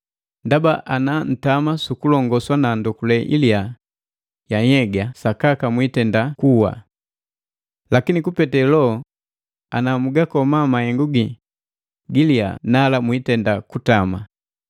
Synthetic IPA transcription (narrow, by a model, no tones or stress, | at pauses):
ndabaʔanan̩tamasukulɔŋɡɔswanandɔkulɛʔḭlia | jaɲɛɡasakakamwitɛndakuwa̰ | lakinikupɛtɛlɔ | anamuɡakɔmamahɛŋɡuɡi | ɡilia̰nalamwitɛndakutama